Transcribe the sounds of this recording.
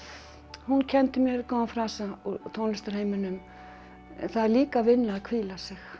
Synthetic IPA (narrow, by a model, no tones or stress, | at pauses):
huncʰɛnt̪ɪmjɛɾkɔːfɾaːsaut̪ʰownlɪst̪aɾ̥heːjmɪnʏm | ɛ̰θaðɛɾliːkavɪnːaːkʰviːlasɪx